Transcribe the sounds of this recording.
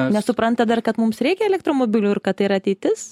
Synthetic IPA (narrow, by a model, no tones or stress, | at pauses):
nʲɛsʊpɾɐnt̪ɐd̪ɐrkɐt̪mʊmsɾʲɛɪkʲɛlʲɛk̚t̪ɾoːmoːbʲɪlʲuːɪrkɐt̪tːɐɪɾɐt̪ʲɛɪt̪ʲɪs